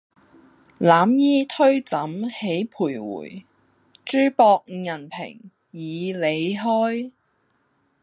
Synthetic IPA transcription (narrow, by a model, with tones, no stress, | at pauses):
laː˨˥mjiː˥t̪ʰɵ˥ɥt͡sɐ˨˥mhe˨˥jpʰuː˨˩jwṵː˨˩j | t͡ʃyː˥pɔː˧k̚jɐ˨˩npʰɪ̰˨˩ŋ | jiː˨˧le˨˧jɦɔː˥j